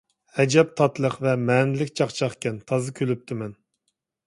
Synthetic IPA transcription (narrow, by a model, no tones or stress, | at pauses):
hɛd͡ʒɛp̚t̪ʰɑt̪lˠəqvɛmɛːnɪlɪkʲt͡ʃʰɑχt͡ʃʰɑχkʲʰɛnt̪ʰɑzɨkʲʰølyp̚t̪ʰɪmɛn